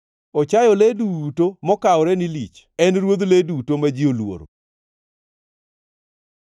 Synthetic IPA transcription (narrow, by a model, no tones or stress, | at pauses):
ɔt͡ʃajɔledutomɔkawɾɛnilḭt͡ʃ | ɛnɾwod̪ledutomad͡ʒiolwo̰ɾo̰